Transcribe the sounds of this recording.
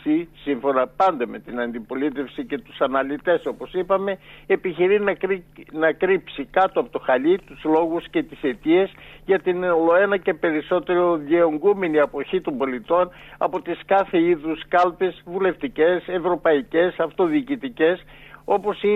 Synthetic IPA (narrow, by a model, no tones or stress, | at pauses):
isiɱfo̞nɐpɐnd̪ɐme̞t̪inɐnd̪ipo̞lit̪e̞fsice̞t̪u̥sɐnɐlit̪e̞so̞po̞sipɐme̞ːpiçiɾinɐinɐkɾipsikɐt̪oɐpot̪o̞xɐʎit̪uzlo̞ɣusce̞t̪i̥se̞t̪iesʝɐt̪inolo̞e̞nɐce̞pe̞ɾiso̞t̪e̞ɾo̞ðjeoŋɡume̞niɐpo̞çit̪o̞mbo̞lit̪o̞nɐ̰po̞t̪iskɐθe̞iðuskɐlpe̞zvule̞ft̪ice̞se̞vɾo̞pɐice̞sɐft̪o̞ðiːcit̪ice̞so̞po̞si